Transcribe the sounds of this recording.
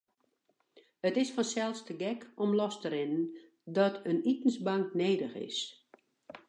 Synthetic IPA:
ətɪsfɔnsɛlˠstəɡɛkɔmlɔstəɾɪnən | dɔtʰənitn̩sbaŋkneːdəxɪ̰s

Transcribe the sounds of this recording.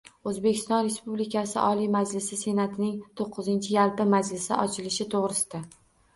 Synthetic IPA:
ɵzbe̞kʲɪst̪ɒnɾe̞spublikʲʰasɪ̰ʔɒlijmad͡ʒlɪsɪse̞nat̪ʰɪnɪŋt̪ʰoqʰːɨzɪnt͡ʃʰɪjalˠpɪmad͡ʒlɪsɪ̰ʔɒt͡ʃʰɪlɪʃɪt̪ʰoʁɾɪsɪd̪a

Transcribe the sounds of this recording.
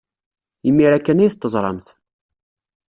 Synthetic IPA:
imːiɾækːænæjθt̪ːəzˤɾˤɑ̰mθ

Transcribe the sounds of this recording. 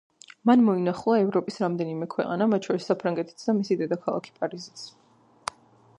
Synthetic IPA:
manmɔinaχlˠaɛvɾɔpʼisɾamd̪ɛnimɛkʰwɛ̰qʼanamat̪̚t͡ʃʰɔɾisːapʰɾaŋɡɛt̪ʰi̥t̪sʰd̪amisid̪ɛd̪akʰalˠa̰kʰi̥pʼaɾizit̪s

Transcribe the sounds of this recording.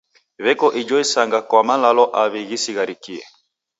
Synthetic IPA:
βɛkɔʔid͡ʒɔisaŋɡakwamalalɔʔaβiɣisiɣaɾikiɛ̰

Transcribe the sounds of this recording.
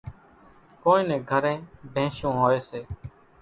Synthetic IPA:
koːĩːnẽːɡʱəɾẽːbʱẽːʃõːɦoːeːseː

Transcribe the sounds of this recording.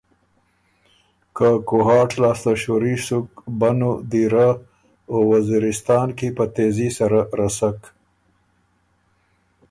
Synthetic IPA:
kakoɦɑːʈlɑːst̪aʃoɾisʊkbanod̪iɾa | owaziɾɪst̪ɑːnkipət̪ezisaɾaɾasak

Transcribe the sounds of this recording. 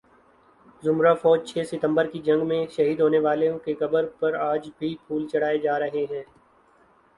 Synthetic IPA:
zʊmɾafɔːd͡ʒt͡ʃʰeːsɪt̪ə̃mbəɾkid͡ʒɐ̃ŋɡmẽʃɐɦiːd̪ɦoːneʋaːlẽkekɐbəɾpɐɾaːd͡ʒbʱipʰuːlt͡ʃɐɽ̤aːed͡ʒaːɾɐɦeɦɛ̃ː

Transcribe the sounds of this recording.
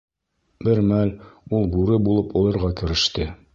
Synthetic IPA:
bɘɾmælulˠbuɾɘbulˠɤpɒlˠɤ̆ɾʁɑkɘ̆ɾɘ̆ʃt̪ɘ

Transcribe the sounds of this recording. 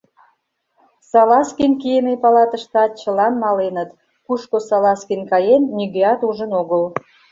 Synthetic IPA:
sɑlɑskinkijemepɑlɑt̪əʃt̪ɑt͡ɕəlɑnmɑlenət̪ | kuʃkosɑlɑskinkɑjenːiɣeɑt̪uʒənoɣəl

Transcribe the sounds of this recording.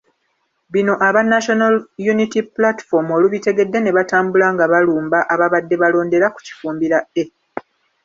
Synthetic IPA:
βino̞ʔaβanːaʃo̞naljunitiplati̥fo̞mo̞luβite̞ɡe̞dːe̞ne̞βataːmbulaːŋɡaβaluːmbaʔaβaβadːe̞βalo̞ːnde̞ɾaku̥ci̥fuːmbiɾae̞

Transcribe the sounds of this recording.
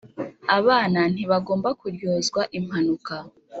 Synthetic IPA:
aβaːnan̥iβaɡo̞ːmbakuɾjoːzɡwaʔim̥hanuka

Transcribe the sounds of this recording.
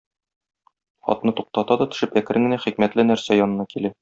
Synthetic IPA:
χɒ̰t̪nɤt̪uq̚t̪ɑt̪ɑd̪ɒt̪ɵ̥̆ʃɘpækɘ̆ɾɘŋɡɘ̆næχikmæt̪lɘnæɾsæjɒnɤ̆nɑkilæ

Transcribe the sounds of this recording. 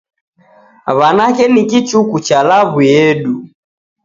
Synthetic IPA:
βanakɛnikit͡ʃukut͡ʃalaβuɛɗu

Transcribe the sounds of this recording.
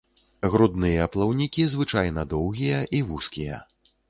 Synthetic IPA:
ɣɾud̪nɨjɐːplˠawnʲikʲizvɨt͡ʂajnɐd̪ɔwɣʲijɐʔivuskʲijɐ̰

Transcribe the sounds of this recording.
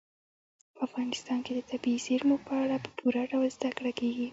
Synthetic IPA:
pəafɣɑnɪst̪ɑnked̪ət̪abiːseɾmuɡ̚pəaɽapə̥pʰuɾaɖawlzd̪akɽakeɡi

